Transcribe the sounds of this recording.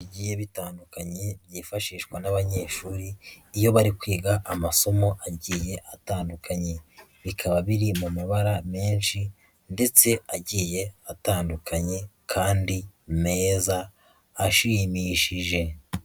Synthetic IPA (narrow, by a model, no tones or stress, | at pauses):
ɟiːje̞βitaːndukaɲe̞bjiːfaʃiːʃwanaβaɲe̞ːʃuːɾiːjo̞βaɾikwiːɡaʔamaso̞mo̞ʔaɟiːje̞ʔataːndukʰaɲe̞βikʰaβaβiɾimumaβaɾameːnʃi | nde̞t͡se̞aɟiːje̞ataːndukʰaɲe̞kʰaːndime̞ːzaː | ʃimiʃiʒe̞